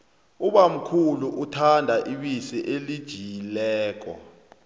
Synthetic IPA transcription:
uɓam̩kʰuluʔutʰandʱaʔiɓisiʔelid̥ʒ̥ʱilɛːk̬ɔ̰

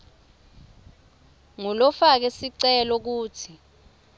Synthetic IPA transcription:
ŋulɔfak̬ɛsiǀɛlɔk̬uːtʰi

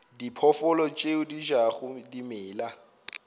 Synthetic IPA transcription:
dipʰɔfɔlɔt͡ʃʼeʊdiʒaχʊdimɪːla

